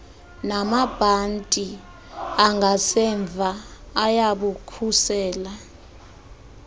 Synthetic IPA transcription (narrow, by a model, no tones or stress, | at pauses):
namab̥ʱantʼi | aŋɡʱasɛɱb̪vʱaːjaɓukʰusɛːla